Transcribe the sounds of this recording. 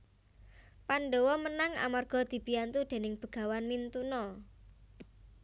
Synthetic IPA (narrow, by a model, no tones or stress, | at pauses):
panɖowɔmənaŋa̰marɡ̥ɔ̤d̪̥i̤bijant̪ud̪̥e̤nɪŋb̥ə̤ɡ̥a̤wanmint̪unɔ